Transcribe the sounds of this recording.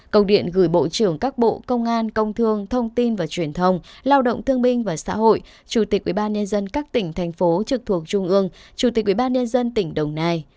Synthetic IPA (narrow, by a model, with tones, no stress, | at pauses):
kə˧˩wŋ͡mɗḭ˧˨ənɣɨː˧˩jɓo̰˧˨t͡ɕɨ˨˧˩əŋkaː˦˥k̚ɓo̰˧˨kə˧wŋ͡mʔaː˧nkə˧wŋ͡mt̪ʰɨ˧əŋt̪ʰə˧wŋ͡mt̪i˧nvaː˨˩t͡ɕwi˨˩ənt̪ʰə˧wŋ͡mlaː˧wɗo̰˧˨wŋ͡mt̪ʰɨ˧əŋɓï˧ŋ̟vaː˨˩sa̰ː˧˥ɦo̰˧˨j | t͡ɕu˧˩t̪i˨˩k̚ʔwi˧˩ɓaː˧nɲə˧nzə˧nkaː˦˥k̚t̪ï˧˩ŋ̟t̪ʰɛ˨˩jŋ̟fo˨˦t͡ɕɨ˨˩k̚t̪ʰu˨˩ək̚t͡ɕʊ˧ŋ͡mʔɨ˧əŋt͡ɕu˧˩t̪i˨˩kʔwi˧˨˩ɓaː˧nɲə˧nzə˧nt̪ï˧˩ŋ̟ɗə˨˩wŋ͡mnaː˧j